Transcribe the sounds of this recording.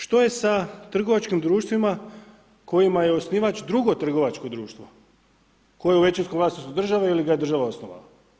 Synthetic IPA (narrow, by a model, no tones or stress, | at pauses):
ʃt̪oje̞sat̪r̩ɡo̞ʋat͡ʃkimd̪ɾuːʃt̪ʋima | ko̞jimajeosniːʋat͡ʃd̪ɾuɡo̞t̪r̩ɡo̞ʋat͡ʃko̞d̪ɾuːʃt̪ʋo̞ | kojeuʋe̞t͡ʃinskomlˠaːsnost̪ud̪r̩ʒaʋailiɡajed̪r̩ʒaʋaosnoʋa̰la